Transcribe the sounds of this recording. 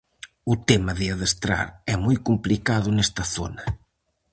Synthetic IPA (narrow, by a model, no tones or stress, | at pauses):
ʊt̪emɐðɪaðest̪ɾa̰ɾɛmojkumplikaðʊnɛst̪ɐθo̰nɐ